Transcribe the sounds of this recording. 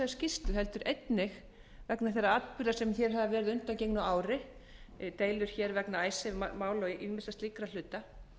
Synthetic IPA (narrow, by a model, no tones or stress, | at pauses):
ɛscɪst̪ʏhɛlt̪ʏɾʔejt̪nɪx | vɛknaθjɛrːaat̪pʏɾðasɛmθjɛɾ̥ɦaðavɛːɾɪðʏnt̪ancejknʏaːwɾɪ | t̪eːjlʏɾ̥çɛɾvɛknaaːjsɛmaːwlɔʔimɪsast̪likɾal̥ʏːt̪a